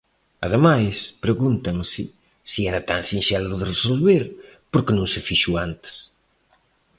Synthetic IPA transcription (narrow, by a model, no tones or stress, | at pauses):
ɐ̰ðemajspɾeɣunt̪ɐŋsɪ | siɛɾɐt̪aŋsinʃɛlʊðɪresolβeɾpoɾkɪnũŋsɪfiʃuant̪ɪ̥s